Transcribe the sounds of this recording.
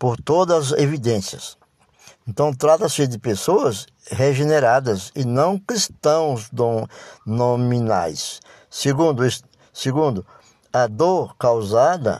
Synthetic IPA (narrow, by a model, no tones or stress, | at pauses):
poɾt̪od̪ɐzevid̪ẽsiɐ̰s | ẽnt̪ɐ̃w̃t̪ɾat̪ɐsɪd̪ɪpesoɐs | ɦeʒeneɾad̪ɐzɪnɐ̃w̃kɾist̪ɐ̃w̃zd̪onomĩna̰jsː | eɡũd̪ʊis | seɡũnd̪ʊ | ɐd̪oɾkawzad̪ɐ̰